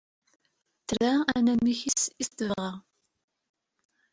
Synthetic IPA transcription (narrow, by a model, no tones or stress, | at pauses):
t̪ɾæænæmːiçisist̪əvʁæ